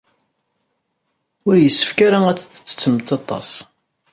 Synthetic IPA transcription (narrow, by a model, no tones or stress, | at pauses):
ʊɾjəsːə̥fkaɾaæt͡sːə̥t͡sːə̥t͡sːə̥t͡sːəmət̪ɑt̪ˤɑ̰s